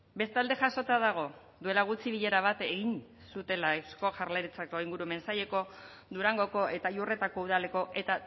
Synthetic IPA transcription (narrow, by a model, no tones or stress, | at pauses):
be̞st̪ald̪e̞ʝaso̞t̪aðaɣ̞o̞ | ðd̪ue̞laɣ̞ut͡siβiʎe̞ɾaβ̞at̪e̞ɣin | sut̪e̞lasko̞ʝaɾleɾit͡sako̞iŋɡuɾume̞nsaje̞ko̞ | d̪uɾaŋɡo̞ko̞ʔet̪ajure̞t̪ako̞uð̞ale̞ko̞ʔe̞t̪a